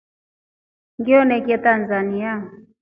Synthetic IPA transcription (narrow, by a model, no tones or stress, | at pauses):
ŋɡiɔnɛkiɛtanzania